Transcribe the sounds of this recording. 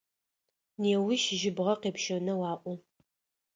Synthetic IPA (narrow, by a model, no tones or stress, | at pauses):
neːwiʃɪʒɪbʁɐqeːpʃɐnɐwɑːʔʷʊ